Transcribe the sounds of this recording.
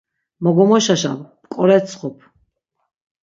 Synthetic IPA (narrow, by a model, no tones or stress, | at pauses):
mɔɡɔmɔʃaʃa̰vpkʼɔɾɛt̪sʰχɔpʰ